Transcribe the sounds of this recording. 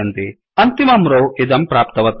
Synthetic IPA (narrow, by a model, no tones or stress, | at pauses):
ɐnd̪i | ɐnt̪imɐmɾoːid̪ɐmpɾaːpt̪ɐʋɐt̪